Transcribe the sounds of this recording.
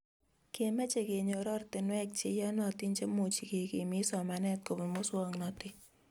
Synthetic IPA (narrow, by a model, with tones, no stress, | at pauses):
ke˨mɛ˦t͡ʃe˨ke˨ɲo˨ɾɔ˦rtɪ˨nwɛ˦k̚t͡ʃe˦jɔ˦nɔ˨ti˦nt͡ʃe˦mo˨t͡ʃi˨ke˨ke˨mɪ˦sɔ˨ma˨nɛ˦t̚ko˨bi˨mo˦swɔ˦ŋnɔ˨tɪ˦